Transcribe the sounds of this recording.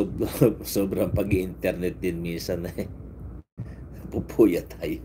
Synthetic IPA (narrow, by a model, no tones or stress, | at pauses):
obsoːbɾɐŋpɐɡiʔɪnt̪ɛɾnɛt̪̚d̪ɪnminsanɐ | pupʰuːjɐt̪ʰaːjo